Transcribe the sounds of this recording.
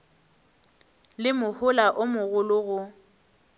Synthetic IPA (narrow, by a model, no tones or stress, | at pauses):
lɪmʊhʊlaʔʊmʊɣʊlʊɣʊ